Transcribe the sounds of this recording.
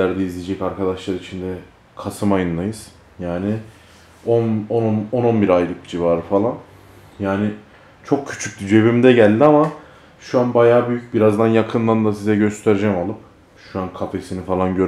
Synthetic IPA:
æɾd̪ɛizlʲid͡ʒɛcaɾkʰad̪aʃlˠaɾit͡ʃʰind̪ɛ | kʰasɯmajɯnlˠajɯz̥ | jaːnɪ | ononnononbiɾajlˠɯk̚d͡ʒivaɾfalˠan | jaːnɪ | t͡ʃʰo̞kcʰy̥t͡ʃʰyc̚ʲd̪id͡ʒe̞βimd̪ɛɟælʲd̪ʲiama | ʃuanbajaːbyjyc̚biɾazd̪anjakʰɯnlˠand̪asizɛɟø̞st̪ʰeɾed͡ʒɛmalˠɯp | ʃuankʰat̪ʰesinifalˠanɟø̞ɾ

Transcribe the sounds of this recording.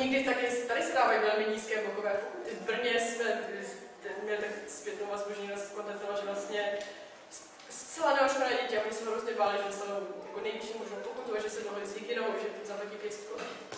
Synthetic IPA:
ɲɛɡdɪt̪akɪst̪adɪsɛdaːvajivɛlmɪɲiːskɛːbokovɛːt̪ɪvbr̩ɲɛsmɛɪ | t̪ɛnmɲɛlt̪akspjɛt̪nowvazboʒɲɛnost̪kond̪at̪ɛlaʒɛvlast̪ɲɛ | s | st͡sɛlanɛoʃmanɛːɟɛcɪaʔoɲɪsɛmoɾosdɛbaːlɪʒɛst̪alowjakonɛjviʃimoʒnɛpoput̪ovadʒɛsɛdoɦlɪzjɪkɪnowʒɛt̪zaplɛcipjɛski̥kolɛ

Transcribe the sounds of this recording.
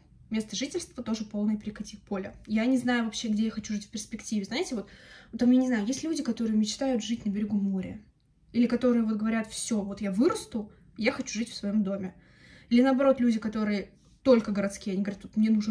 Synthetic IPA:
mʲe̞st̪əʐɨtʲɪlʲst̪vət̪o̞ʐɨpo̞lˠnəjəpʲɾʲɪkɐtʲixpo̞lʲɪjanʲɪznajʊvɐpɕːe̞ɡdʲejaxɐt͡ɕuʐɨtʲfʲpʲɪrspʲɪktʲivʲɪznaɪtʲɪvo̞t̪ʊt̪amjanʲɪznajʊjesʲtʲlʲudʲɪkɐt̪o̞ɾɨjɪmʲɪt͡ɕt̪ajʊt̪ʐɨtʲnəbʲɪɾʲɪɡumoɾʲɪ̰ | ilʲɪkɐt̪o̞ɾɨjəvo̞t̪ɡəvɐɾʲat̪fsʲo̞vo̞t̪javɨɾəst̪ʊ | jaxɐt͡ɕuʐɨtʲfsvɐjo̞md̪o̞mʲɪ | ilʲɪnəɐbɐɾo̞t̪lʲudʲɪkɐt̪o̞ɾɨjə | t̪o̞lʲkəɡəɾɐt̪skʲijɐnʲiɡəvɐɾʲat̪vot̪mnʲenuʐnə

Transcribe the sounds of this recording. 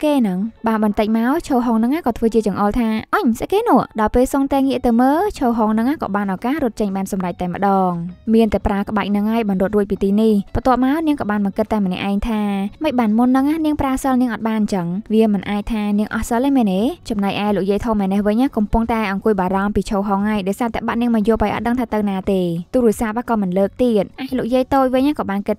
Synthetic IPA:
keːnɨŋɓaːnɓɑnt̪ɨc̚maɔt͡ɕʰoːɦoːŋnɨŋaːhkɑːt̪ʰʋəːt͡ɕiət͡ɕɑŋʔoːlt̪ʰaːʔəɲsəkeːnŭəʔɗɑɔjpeːlsoŋt̪aɛŋːiəʔt̪əwməːt͡ɕʰoːɦoːŋnɨŋʔaːhkɑ̰ːɓaːnʔakahrʊ̆ət̪̚t͡ɕəɲɓaːnsɑmrac̚t̪aɛmə̆ɗɑːŋmiənt̪aɛpraəkə̆ɓaɛk̚nɨŋhaəjɓɑnrŭət̪ruəc̚piːt̪iːnihpt̪ŏəp̚maɔniəŋkɑːɓaːnɓɑŋkɨt̪ːaɛmənɛ̰ʔaɛŋt̪ʰaːməc̚ɓaːnmunːɨŋʔahniəŋpraəsəlniəŋʔɑt̪̚ɓaːnɲt͡ɕəŋʋiəmɨnʔaːc̚t̪ʰaːniəŋʔɑ̰hsəlʔəmɛnet͡ɕɑmnajʔaɛloːk̚jiəjt̪ʰoːmɛnehʋɨɲʔaːhkɑmpʊŋt̪aɛʔɑŋkuəjɓaːɾɑmpiːt͡ɕʰoːɦɑːŋhaəjɗaɔjsaːt̪aəɓat̪̚niəŋmajŏəpajʔɑ̰t̪̚ɗəŋt̪ʰaːt̪ɨwnaːt̪eːt̪uːɾiəsaːp̚ʔakɑːmɨnləːk̚t̪iət̪̚ʔaːloːk̚jiəjt̪oːc̚ʋɨɲʔahkɑːɓaːnkɨt̪̚

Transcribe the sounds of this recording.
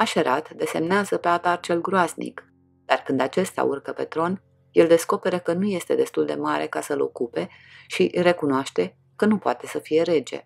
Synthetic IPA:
aʃeɾat̪d̪e̞se̞mneazəpe̞at̪art͡ʃe̞lɡɾoaznḭk | d̪̥arkɨnd̪at͡ʃe̞st̪a̰urkəpe̞t̪ɾo̞n | je̞ld̪e̞sko̞pe̞ɾəkənuje̞st̪e̞d̪e̞st̪uld̪e̞maɾekasəlo̞̰kupe̞ʃiɾe̞kunoaʃt̪e̞ | kənupoat̪e̞səfije̞ɾe̞d͡ʒḛ

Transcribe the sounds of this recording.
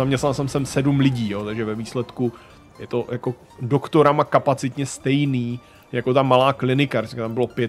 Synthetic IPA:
amɲɛst̪nalsɛmsɛmsɛdumlɪɟiːjo̞ːt̪aɡʒɛvɛviːslɛt̪ku | jɛt̪o̞jako | dokt̪oɾamakapat͡sɪt̪ɲɛst̪ɛjniː | jakot̪amalaːklɪnɪkaɾɪskat̪ambɪlo̞pjɛ

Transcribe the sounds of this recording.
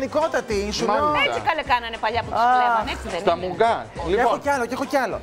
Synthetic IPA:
nikot̪ɐt̪insumosikɐlekɐnɐnepɐʎɐpuaɐneksiðesɐmuŋɡɐliexocɐlocee̞xoceɐlo̰

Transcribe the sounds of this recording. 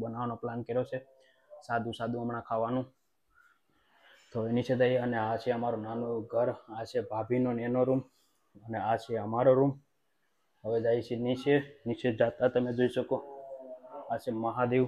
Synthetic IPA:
bənaʋanoplankeɾjot͡ʃʰe | sad̪ũsad̪ʱũəmɳakʰaʋanũ | t̪oenit͡ʃʰed̪ajeəneat͡ʃʰeəmaɾonanũɡʱəɾat͡ʃʰebʱabʱinonenoɾum | əneat͡ʃʰeəmaɾoɾum | ɦəʋed͡ʒait͡ʃʰenit͡ʃʰenit͡ʃed͡ʒat̪at̪əmed͡ʒoiʃəko | at͡ʃʰeməɦad̪eu

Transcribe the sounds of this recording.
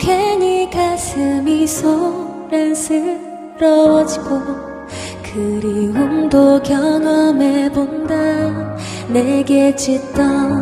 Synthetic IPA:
kʰeɲikʰasʰɯmisʰo | ɾensʰɯ | ɾʌwʌd͡ʑiɡo | kʰɯɾiɦuŋdokjʌŋʌmebonda | neɡet͡ɕit͈ʌ

